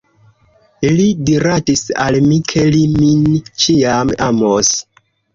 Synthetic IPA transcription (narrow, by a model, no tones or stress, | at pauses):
lidiɾatisa̰lmikʰe̞limint͡ʃiamamos